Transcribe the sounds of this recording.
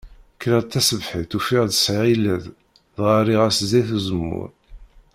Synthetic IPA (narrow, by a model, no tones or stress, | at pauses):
kɾəʁt̪ːæsəvħiθufiʁðəsʕilæð | ðʁaɾiʁæszæjθuzəmːʊ̰ɾ